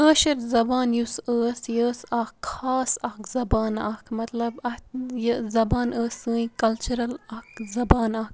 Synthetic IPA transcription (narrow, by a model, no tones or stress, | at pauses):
əːʃɐɾzɐbaːnjusəːsjəːsɐkʰaːsɐkzɐbaːnɐkʰmɐt̪lɐbɐjəzɐbaːnəːsɨːĩkɐlt͡ʃuɾɐlɐkzɐbaːnak